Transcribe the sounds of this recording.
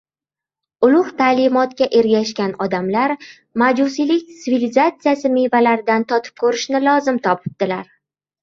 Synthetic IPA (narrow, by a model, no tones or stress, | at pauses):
ʊlˠʊht̪ʰaːlɪmɒt̪kʲaʔe̞ɾɡʲaʃkʲanɒd̪amlaɾ | mad͡ʒusilɪk̚ʲt̪ɪvilizat̪sijasɪmejvalaɾd̪ant̪ʰɒt̪ʰɪ̥p̚kʰɵɾɪʃnɪlˠɒzɪmt̪ʰɒpʰɪ̥b̚d̪̥ɪlaɾ